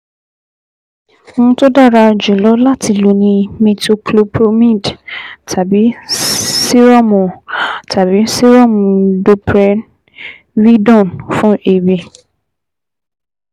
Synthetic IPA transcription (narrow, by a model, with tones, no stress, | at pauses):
ŋũ˦to˦da˦˨ɾa˧˨d͡ʒu˨lɔ˨˦la˦ti˧lo˨nĩ˧mĩ˧to˧klo˦˧pʰɾo˧˦mĩ˦˨dtʰa˨bi˨˦ | si˦ɾɔ˦mɔ̃˨ta˨bi˨˦si˦ɾɔ˦˨mũ˨do˧pɾɛ˦ | wi˦dɔ̃˦˨nfũ˦ʔe˨bi˨